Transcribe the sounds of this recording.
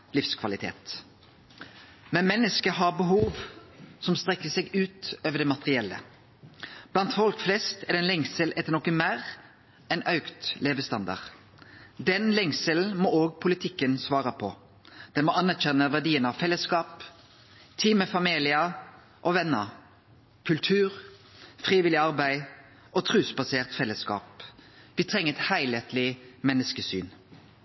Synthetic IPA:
lɪfskʰʋɑlɪt̪ʰḛːt̪ | mɛnmɛnːəskəɦɑbəɦuːʋsɔmst̪ʁɛkːəsɛɡʉːt̪øːʋəɖ̪ɛmɑt̪əʁɪɛlːə̰ | b̥lɑnt̪fɔlkflɛst̪ɛd̪ɛnlɛŋsəlʔɛt̪ːənɔkːəmæːʁ | ɛnɑʉkt̪leːʋəst̪ɑnd̪ɑ̰ʁ | d̪ɛnlɛŋsəl̩mɔoːɡ̚pʰʊlɪt̪ʰɪkːənsʋɑːʁəpʰɔ | d̪̥ɛnmɔɑnæʁçɛnːəʋæʁɖiːənɑʋfɛlːəskɑːp | t̪ʰiːməfɑmiːlɪə | ʔɔʋɛnːə | kʰʉlt̪ʰʉːʁfʁiːʋɪlɪɑʁbæɪ | ɔt̪ʰʁʉːsbɑseːʁt̪fɛlːəskɑ̰ːp | ʋɪːt̪ʰʁɛŋːəɛt̪hæɪleːt̪lɪmɛnːəskəsy̰ːn

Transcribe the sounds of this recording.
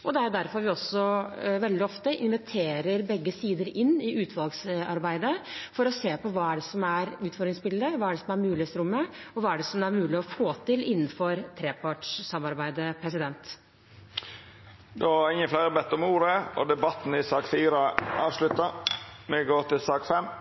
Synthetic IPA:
ʔɔd̪ɛæɾd̪æɾfɔɾʋɪɔsːɔʋɛld̪ɪɔft̪əʔɪnʋɛt̪ʰeːɾəɾbɛɡːəsiːd̪əɾɪnːɪʔʉːt̪ʰʋɑlɡsɑ̰ɾbæɪd̪əfɔɾɔseːpɔʋɑːæɖɛsɔmæɾʉːt̪fɔɾd̪ɾɪŋsbɪləd̪əʋɑːæɖɛsɔmæɾmʉːlɪst̪ɾʊmːəɔʋɑːæɖɛsɔmæɾmʉːlɪɔfoːt̪ɪlɪnːən̩fɔɾt̪ʰɾeːpʰɑːʈʂsɑmːɑɾbæɪd̪əpʰɾɛsɪd̪ɛnt̪ | d̪ɔæɾɪŋːəflæɪɾəbɛt̪ːɔmuːɾəɔ̰d̪ɛbɑt̪ːn̩ɪsɑːkfiːɾəɑːʋʂlʉt̪əmɛɡoːt̪ɪlsɑːkfɛmː

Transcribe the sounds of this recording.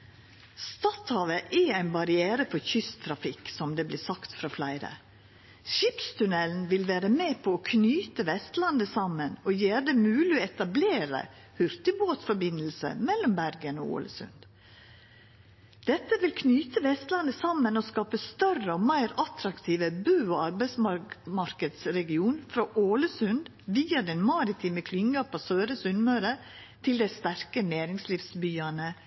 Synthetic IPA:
st̪ɑt̪hɑːʋəʔɛæɪnbɑɾɪeːɾəfɔɾçʏst̪ʰɾɑfɪkːsɔmd̪eːblɪːsɑkt̪fɾɑːflæɪɾə̰ | ʃɪpst̪ʰʉnɛln̩ʋɪlʋæːɾəmeːpʰɔoːkʰnyːt̪əʋɛst̪lɑnd̪əsɑmːənoːjeːɾd̪ɛmʉːlɪoːɛt̪ɑbleːɾə̰ | hʉɾt̪ɪboːt̪sfɔɾbɪnlsə̰mɛlːɔmbæɾɡəno̰ːṵːlə̰sʉ̰nd̪ | d̪̥ɛt̪ːəʋɪlkʰnyːt̪əʋɛst̪lɑnd̪əsɑmːənɔskɑːpəst̪œrəɔmæɪɾɑt̪ɾɑkt̪ʰiːʋəbʉːoɑɾbæɪsmɑɾkəd̪sɾɛɡɪuːnfɾoʔoːləsʉnd̪ | ʋiːɑd̪ɛnmɑɾɪt̪ʰiːməkʰlʏŋːɑpʰosøːɾəsʉnmøːɾə | t̪ʰɪld̪æɪst̪æɾkəneːɾɪŋsliːfsbyːɑnə

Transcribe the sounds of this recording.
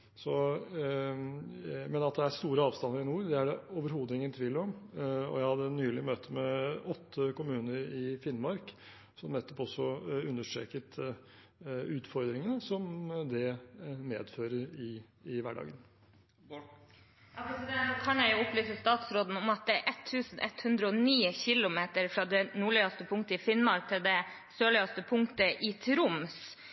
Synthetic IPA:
sɔ | mɛnɑt̪̚d̪ɛæst̪uːɾəɑːʋst̪ɑnd̪əɾɪnuːɾd̪ɛæɖɛoːʋəɾhuːd̪ɪŋənt̪ʰʋɪlːɾɔmɔ̰jæɪhɑd̪ːənyːlɪmøːt̪ʰəmɛɔt̪ʰːəkʊmʉːnəɾɪfɪnmɑɾk | sɔmnɛt̪ʰːɔpɔsːɔʉnːəʂʈɾḛːkət̪ʰ | ʉːt̪fɔɾd̪ɾɪŋənəsɔmd̪ɛmḛːd̪føːɾəɾɪ | ɪʋæɖɑ̰ːɡən | ɑsd̪ɛokʰɑnjæɪjʊʊplyːsəst̪ɑːt̪sɾoːd̪n̩ɔmɑt̪̚d̪ɛæɾʔɛt̪ʰːʉːsn̩ʔɛ̰t̪hʉnd̪ɾəɔniːəçɪlʊmeːt̪əɾfɾɑːd̪ɛnuːɭiːɑst̪əpʰʊŋkt̪əɪfɪnmɑɾk̚t̪ʰɪld̪ɛ | søːɭɪɑst̪əpʰʊŋt̪əʔɪt̪ʰɾʊms

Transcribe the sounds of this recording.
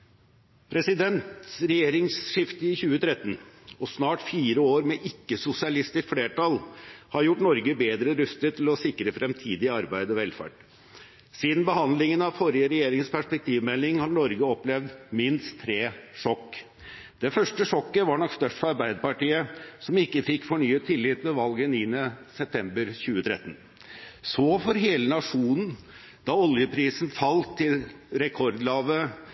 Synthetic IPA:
pʰɾɛsɪd̪ɛnt̪ɾɛjeːɾɪŋsʂɪft̪əɪçʉːət̪ʰɾɛt̪ːənɔsnɑːʈfiːɾəoːɾmɛʔɪkːəsʊsɪɑlɪst̪ɪskfleːʈɑlhɑɾjʊʈːnɔɾɡəbeːd̪ɾəɾʉst̪ət̪ʰɪlɔsɪkɾəfɾɛmt̪ʰiːd̪ɪɑɾbæɪd̪ɔʋɛlfæ̰ːʈ | siːd̪n̩bəhɑnd̪lɪŋənɑʋfɔɾɪəɾɛjeːɾɪŋspʰæʂpɛk̚t̪ʰiːʋmɛlːɪŋhɑɳɔɾɡəɔplɛʋd̪mɪnst̪ʰːɾeːʂɔkː | d̪̥ɛfœʂʈəʂɔkːəʋɑɳɔkst̪œʂʈfɔɾɑɾbæɪd̪əpɑʈiːəsɔmɪkːəfɪkːfɔɳyːət̪ʰɪlːɪt̪mɛʋɑlɡənɪnəsɛp̚t̪ʰɛmbəɾçʉːət̪ʰɾɛ̰t̪ːən̩ | sɔfɔɾɦeːlənɑʂuːnn̩ | d̪̥ɑɔljəpʰɾiːsnfɑlt̪ʰːɪlɾɛkʰɔɾd̪lɑːʋə

